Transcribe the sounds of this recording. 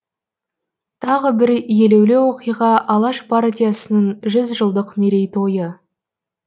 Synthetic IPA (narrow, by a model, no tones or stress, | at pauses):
t̪ʰɑʁəbɪɾje̞le̞wle̞wo̞qijʁɑʔɑlˠɑʃpʰaɾt̪ʲijasənəɴʒʏzʒəlˠd̪əqmeɾe̞jt̪ʰo̞jə